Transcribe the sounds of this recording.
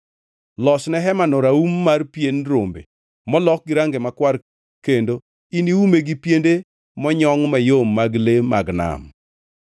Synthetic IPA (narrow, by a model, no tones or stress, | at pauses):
lɔsnɛɦɛmanoɾaumːarpjenɾombḛ | mɔlɔk̚ɡiɾaŋɡemakwar | kendo | iniumeɡipjende | mɔɲɔŋmajomːaɡlemaɡna̰m